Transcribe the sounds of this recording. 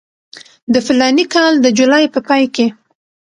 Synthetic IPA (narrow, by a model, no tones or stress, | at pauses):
d̪əfɪlɑnikɑld̪əd͡ʒulɑjpəpɑjke